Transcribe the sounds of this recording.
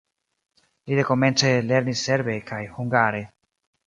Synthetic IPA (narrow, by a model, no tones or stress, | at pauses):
lid̪e̞ko̞me̞nt͡sele̞ɾnisːe̞ɾbekajhuŋɡaɾe̞